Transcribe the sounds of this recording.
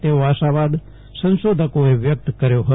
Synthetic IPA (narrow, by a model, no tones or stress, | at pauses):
t̪eoaʃaʋad̪ | sə̃nʃod̪ʱəkoeʋjək̚t̪kəɾjoɦə